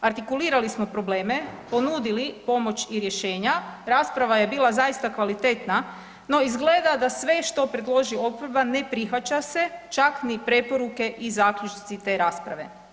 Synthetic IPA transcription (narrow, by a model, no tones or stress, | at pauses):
aɾt̪ikuliːɾalismo̞pɾo̞ble̞ːme̞po̞nuːd̪ilipo̞mo̞t͡ɕiɾjeʃe̞ːɲaɾaːspɾaʋaje̞biːlˠazajist̪akʋalit̪e̞t̪na | no̞izɡleːd̪ad̪asʋe̞ʃt̪o̞pɾe̞d̪lˠo̞ʒio̞pʋoɾbane̞pɾixʋat͡ɕase̞t͡ʃaknipɾe̞po̞ɾuke̞ʔizaːkʎʲut͡ʃnit̪sit̪e̞ːɾaːspɾa̰ʋe̞̰